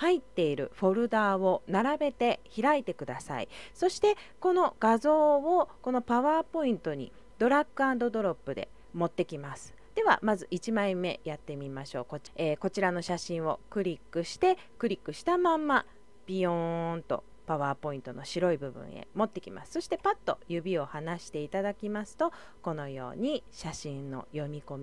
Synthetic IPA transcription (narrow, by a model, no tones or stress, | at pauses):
hait̪ːe̞iɾɯ̟̰ɸo̞ɾɯ̟d̪aːβo̞naɾabe̞t̪e̞çiɾait̪e̞kɯ̟d̪asa̰ḭso̞ɕi̥t̪e̞ | ko̞no̞ɡ̥azo̞ːoko̞no̞paβaːpo̞ĩnt̪o̞ɲ̟ḭ | d̪̥o̞ɾakːɯãnd̪o̞d̪o̞ɾo̞pːɯ̟d̪e̞̰ | mo̞t̪ːe̞kʲimasɨ̥d̪̥e̞βa̰mazɨʔit͡ɕimaĩmːe̞jat̪ːe̞mʲimaɕo̞ːko̞eːko̞t͡ɕiɾano̞ɕaɕĩɰ̃o̞kɯ̟ɾʲikːɯ̟ɕi̥t̪e̞ | kɯ̟ɾʲikːɯ̟ɕi̥t̪amãmːa | b̥ʲiõnt̪o̞̰ | paβaːpo̞ĩnt̪o̞no̞ɕiɾo̞ibɯ̟bɯ̰̃ɰ̃ḛmo̞t̪ːe̞kʲima̰sɨ̥so̞ɕi̥t̪e̞pat̪ːo̞̰jɯ̟bʲio̞hanaɕi̥t̪e̞it̪ad̪akʲimasɨ̥t̪o̞ | ko̞no̞jo̞̰ːɲ̟iɕaɕĩnːo̞̰jo̞mʲiko̞mʲi